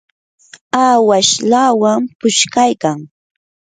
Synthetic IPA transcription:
aːwaʃlaːwampʊʃkajkaŋ

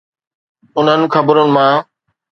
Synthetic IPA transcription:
ʊnɦənɪ̆kʰɐbɾʊnɪ̆mãː

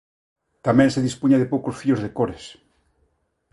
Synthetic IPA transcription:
t̪amɛ̃ŋseðispuɲaðepowkosfiozðekoɾes

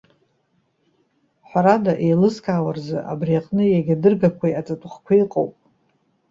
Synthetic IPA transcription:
ħʷaɾadaʔejlɨskʰʼaːwarzɨʔa̰brijaqʼnɨjaɡʲadɨrɡakʷʰajat͡sʼatʷʼχkʷʰaiqʼo̰wpʼ

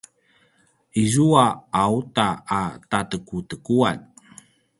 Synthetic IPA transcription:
ʔizuaautaːtatəkutəkuan

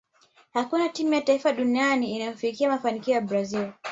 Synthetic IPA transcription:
hakunatimujataifaɗunianiːnajɔfikiamafanikiɔjaɓbɾazil

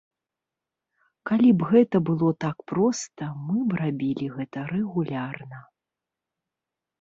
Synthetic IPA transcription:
kalʲibɣɛt̪ɐbɨlˠɔt̪akpɾɔst̪ɐmɨbrabʲilʲiɣɛt̪ɐɾɛɣulʲarnɐ

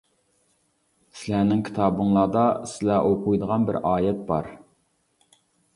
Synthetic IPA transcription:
sɪlænɪŋkʲʰi̥t̪ʰɑːbɨŋlˠɑːd̪ɑsɪlɛʔoqujd̪əʁɑnbɪ̰ɾɑːjɛt̪̚bɑɾ

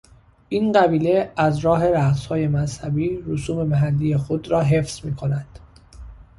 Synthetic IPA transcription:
ʔiːnɢæbiːle̞æzɾɒːɦe̞ɾæɢshɒːje̞mæshæbiːɾosuːme̞mæɦælːijexod̪ɾɒːɦe̞fz̥miːkʰo̞nænd̪̥

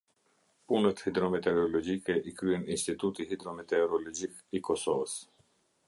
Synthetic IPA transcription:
punət̪hid̪ɾɔmɛt̪ɛɾɔlɔd͡ʒikɛʔikɾyɛninst̪it̪ut̪ihid̪ɾɔmɛt̪ɛɾɔlɔd͡ʒikikɔsɔvəs

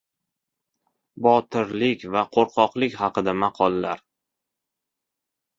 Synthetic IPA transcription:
bɒt̪ʰɪɾlɪkʲvaqʰoɾqʰɒqlˠɪkʲhɑqɨd̪amɑqʰɒlˠːa̰ɾ

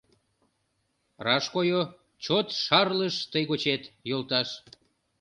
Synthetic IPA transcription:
rɑʃkojo | t͡ɕot̪ʃɑrləʃt̪əjɣot͡ɕet̪jolt̪ɑʃ

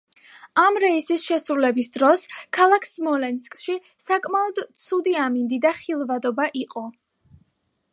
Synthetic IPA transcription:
amɾɛisisʃɛsɾulɛbisd̪ɾɔskʰalˠakʰsmɔlɛnskʼʃi | sakʼmaɔd̪t̪sʰud̪iamind̪id̪aχilˠvad̪ɔbaʔiqʼɔ

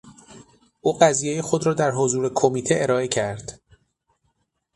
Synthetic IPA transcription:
ʔuːɢæziːjejexo̞d̪ɾɒːd̪æɾɦozuːɾekʰo̞miːt̪ʰeeɾɒːe̞cʰæɾd̪̥

